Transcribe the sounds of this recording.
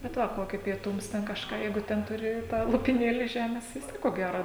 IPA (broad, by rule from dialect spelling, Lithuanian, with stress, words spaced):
bʲɛt ˈʋɐ ˈkoːkʲiː pʲiɛˈtʊms tʲɛn kɐʃˈkɑː ˈjɛɪɡʊ ˈtʲɛn tʊˈrʲɪ tɑː lˠoːpʲɪˈnʲeːlʲiː ˈʒʲæːmʲeːs ʋʲɪs ˈtʲiɛk koː ˈɡʲæroː